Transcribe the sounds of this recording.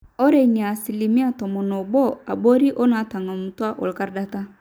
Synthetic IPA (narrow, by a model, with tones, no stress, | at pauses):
ɔ˦ɾe˦˨ɲi˨a˨si˨li˨mĩ˦a˦˨tɔ˨mɔ˨nɔ˨bɔ˦a˨bo˦ɾi˦ʔo˦na˨˦ta˨ŋa˨mu˨tu˦a˦ʔo̰˨lka˦ɾda˦ta˦